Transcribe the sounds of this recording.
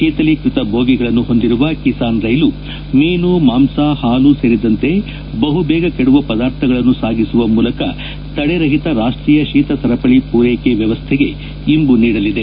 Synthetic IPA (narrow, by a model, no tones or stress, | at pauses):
kiːt̪ɐlikɾit̪ɐbʱoːɡiɡɐɭɐnːuɦo̞nd̪iɾuʋɐkisaːnɾɐjlu | meːnumaːmsaːhaːluseːɾid̪ɐnt̪e̞ | bɐɦubɛːɡɐkeɽuʋɐpɐd̪aːɾt̪ʰɐɡɐɭɐnːusaːɡisuʋɐmuːlɐkɐ̰ | t̪ɐɽeɾɐɦit̪ɐɾaːʂʈɾiːjɐʃiːt̪ɐsɐɾɐpɐɭipuːɾeːkeʋjɐʋɐst̪ʰeɡe̞ | imbuniːɽɐlid̪e